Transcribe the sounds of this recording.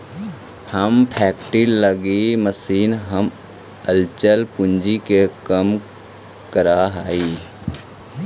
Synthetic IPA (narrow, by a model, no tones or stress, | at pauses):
həmpʰɛːkʈiɾləɡiməsiːnɦəm | əlt͡ʃəlpʊnd͡ʒikekəm | kəɾaɦaːiː